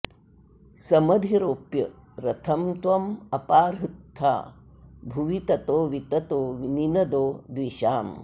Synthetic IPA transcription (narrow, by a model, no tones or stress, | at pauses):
sɐmɐd̪ʱiɾoːpjɐ | ɾɐt̪ʰɐmt̪ʋɐmɐpaːɾɦut̪ʰːa̰ː | bʱuʋit̪ɐt̪oːʋit̪ɐt̪oːʋininɐd̪oːd̪ʋiʃaːm